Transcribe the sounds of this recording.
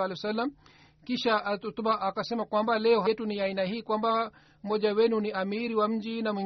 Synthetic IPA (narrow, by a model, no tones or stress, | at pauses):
alɛsalːam | kiʃaatut̪uɓaʔakasɛmakwambalɛɔɦatuniainahiːkwamba | m̩mhɔʄawɛnuniamiɾiwam̩d͡ʒinamwi